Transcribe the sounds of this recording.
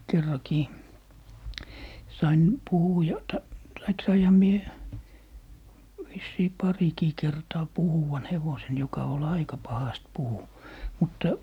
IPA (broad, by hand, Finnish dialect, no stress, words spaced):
kerːɑkiː sɑin puhujɑ tɑ tɑik sɑihɑ mie ʋisːiː pɑrikiː kertɑː puhuwɑn heʋosen jokɑ ol ɑikɑ pɑhɑst puhu mutːɑ